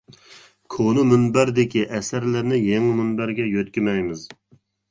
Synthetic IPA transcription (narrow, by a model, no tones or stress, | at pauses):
kʰonɨmynbæɾd̪ɪkʲiʔɛsæɾlɪɾnɪjeŋmynbæɾɡʲɛjøt̪kʲimɛjmɪz